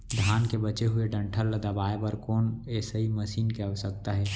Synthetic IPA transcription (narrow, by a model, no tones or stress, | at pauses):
d̪ʱjaːnkebɐt͡ʃeɦʊeɖɐ̃ɳʈʰəlːəd̪ɐbaːebəɾkɔːnesəɦiməsiːnkeɐʋəsək̚t̪aɦɛː